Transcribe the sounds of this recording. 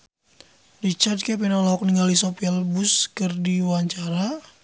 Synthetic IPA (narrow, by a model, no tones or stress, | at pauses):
rit͡ʃardkɛp̬inalaɔk̚niŋɡalisopiɛlbuskərdiwaɲt͡ʃaɾa